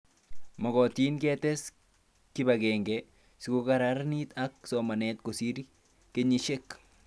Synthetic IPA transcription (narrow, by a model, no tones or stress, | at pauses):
mɔɡɔtinkɛtɛs | kibaɡɛŋɡɛ | sikokaɾaɾnitaksɔmanɛtkosiɾi | keɲiʃek